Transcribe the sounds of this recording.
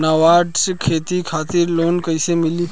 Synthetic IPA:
naʋaʈskʰet̪ikʰat̪iɾlonkəjsemili

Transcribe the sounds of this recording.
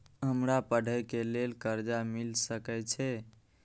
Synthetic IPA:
ɦəmɾapəɽ̤ʱəjkelelkəɾd͡ʒamilsəkɛt͡ʃʰɛ

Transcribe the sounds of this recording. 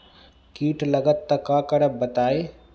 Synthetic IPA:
kiːʈʰləɡət̪ːəkakəɾəp̚bət̪aːe

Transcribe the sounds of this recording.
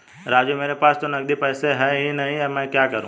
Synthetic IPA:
ɾaːd͡ʒumeːɾepaːst̪onɐɡd̪ipɛːseɦɛɦinɐɦĩjamɛ̃ːkjaːkɐɾṵ̃ː

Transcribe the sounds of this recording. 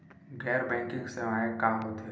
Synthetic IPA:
ɡɛːɾbɛ̃ːkɪ̃ŋksemaːẽkaːɦot̪e

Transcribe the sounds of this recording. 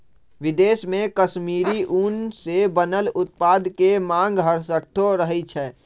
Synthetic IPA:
ʋɪd̪eːsmẽkəʃmiːɾiʔuːnsebənəlʊt̪̚paːd̪kemãːŋɡɦəɾsəʈʰːoɾəɦɛt͡ʃʰɛː

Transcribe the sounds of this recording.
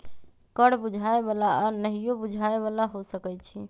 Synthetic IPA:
kəɽbud͡ʒʱaebalaanəɦijobud͡ʒʱaeβalaɦosəkɛt͡ʃʰi

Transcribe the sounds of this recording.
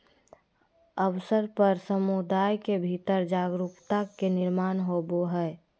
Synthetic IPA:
əwsəɾpəɾsəmud̪aːjkebʱit̪əɾd͡ʒaːɡɾupt̪akenɪɾmaːnɦoboɦɛ

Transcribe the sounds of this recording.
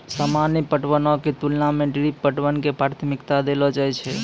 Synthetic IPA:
samanipəʈʋənɔket̪ulnamẽɖiɾipːəʈʋənkepɾaɾt̪ʰəmikt̪ad̪elɔd͡ʒajt͡ʃʰɛ

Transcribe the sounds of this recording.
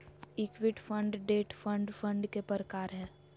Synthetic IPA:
ɪkʋɪʈfʰə̃ɳɖɖeːʈfʰə̃ɳɖfʰə̃ɳɖkepəɾəkaːɾɦɛː

